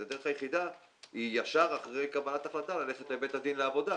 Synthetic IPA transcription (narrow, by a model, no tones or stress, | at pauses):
ed̪e̞eχajeχid̪a | ijaʃaʁaχʁejkabalat̪aχlat̪alale̞χet̪ebe̞t̪had̪inleavo̞d̪a